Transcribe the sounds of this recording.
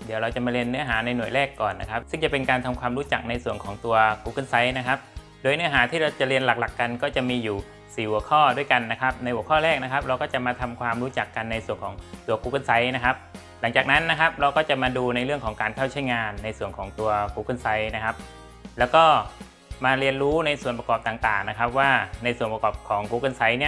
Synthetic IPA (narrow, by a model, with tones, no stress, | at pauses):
di˩˦əwɾa˧wt͡ɕa˨˩maː˧ɾi˧ənːɯ˦˥əɦaː˩˦na˧jnu˨˩əjɾɛː˥˩kːɔː˨˩nːa̰˦˥kʰa˦˥p̚sɯ˥˩ŋt͡ɕa˨˩pe˧nkaː˧nt̪ʰa˧mkʰwaː˧mɾuː˦˥t͡ɕa˨˩k̚na˧jsu˨˩ənkʰɔː˩˦ŋt̪u˧ɐkuː˧kɯ˥˩nsa˦˥jna˦˥kʰa˦˥p̚ | doː˧jnɯ˦˥əɦaː˩˦t̪ʰiː˥˩ɾa˧wt͡ɕa˨˩ɾi˧ənla˨˩k̚la˨˩kːa˧nkɔː˥˩t͡ɕa˨˩miː˧juː˨˩ | siː˨˩hu˩əkʰɔː˥˩du˥˩əjka˧nːa˦˥kʰa˦˥p̚na˧jhu˩əkʰɔː˥˩ɾɛː˥˩k̚na˦˥kʰa˦˥p̚ɾa˧wkɔː˥˩t͡ɕa˨˩maː˧t̪ʰa˧mkʰwaː˧mɾuː˦˥t͡ɕa˨˩kːa˧nːa˧jsu˨˩ənkʰɔː˩˦ŋt̪u˧ɐkuː˧˥kɯ˧˥˩nsa˦˥jna˦˥kʰa˦˥p̚ | la˩˦ŋt͡ɕaː˨˩k̚na˦˥nːa˦˥kʰa˦˥p̚ɾa˧wkɔː˥˩t͡ɕa˨˩maː˧duː˧na˧jɾɯ˥˩əŋkʰɔː˩˦ŋkaː˧nkʰa˥˩wt͡ɕʰa˥˩jŋaː˧nːa˧jsu˨˩ənkʰɔː˩˦ŋt̪u˧ɐkuː˧˩kɤ˥˩nsa˦˥jna˦˥kʰa˦˥p̚ | lɛː˦˥wkɔː˥˩ | maː˧ɾi˧ənɾuː˦˥na˧jsu˨˩ənpa˧kɔː˨˩p̚t̪aː˨˩ŋt̪aː˨˩ŋna˦˥kʰa˦˥p̚waː˥˩na˧jsu˨˩ənpa˧kɔː˨˩p̚kʰɔː˩˦ŋkuː˧˩kɤ˥˩nsa˦˥jni˥˩